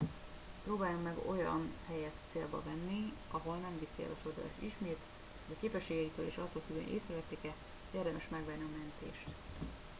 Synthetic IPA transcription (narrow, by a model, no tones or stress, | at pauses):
proːbaːjomːɛɡo̞jɒ̰nhɛjɛt̪seːlbɒ̰vɛnːiɒɦo̞lnɛɱvisiɛ̰lɒsord̪ɒla̰ʃiʃmeːt̪ | hoɟɒkeːpɛʃːeːɡɛit̪øːlḛːʃɒt̪ːoːlk̪yɡø̰nʔḛːsɾɛlɛt̪ːeːkɛ | eːrd̪ɛmɛʃmɛɡvɛnːiɒmɛnt̪ḛːʃt̪